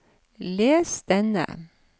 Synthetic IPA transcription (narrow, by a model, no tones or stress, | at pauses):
leːsd̪̥ɛnə̰